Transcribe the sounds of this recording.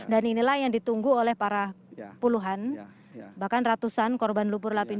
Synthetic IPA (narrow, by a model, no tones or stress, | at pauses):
daninilahjaŋdit̪uŋɡuolɛhpaɾa | puluɦan | bahkanrat̪usankɔrbanlupʊrlapin